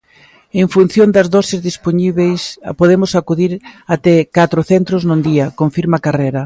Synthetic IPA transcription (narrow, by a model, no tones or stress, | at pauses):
eŋfun̟θjond̪ɐzðɔsɪzðispoɲiβejspoðemʊsakuðiɾat̪ɛkat̪ɾʊθent̪ɾoznʊnd̪iɐkoɱfiɾmakarejɾɐ